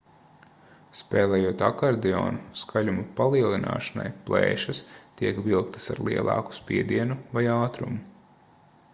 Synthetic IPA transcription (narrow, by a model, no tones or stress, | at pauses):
spɛːlˠɛːjuɔt̪akaɾd̪ɛɔ̰ːnuskʰaʎʲumupalˠiɛlˠinʔa̰ːʃana̰jplˠɛ̰ːʃɐst̪iɛkʋilˠkt̪ɐ̥sa̰ɾlˠiɛlˠɑ̰ːku̥spʲiɛd̪iɛnuvajaːt̪ɾṵmu